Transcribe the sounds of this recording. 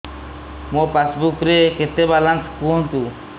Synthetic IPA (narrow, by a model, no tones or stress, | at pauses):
mopasbukɾeket̪ebalanskuont̪u